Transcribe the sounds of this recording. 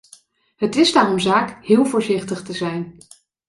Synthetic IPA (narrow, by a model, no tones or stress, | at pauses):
ɦətɪzdaːrɔmzaːkɦɪːlˠvʊːɹzɪχtəχtəzɛjn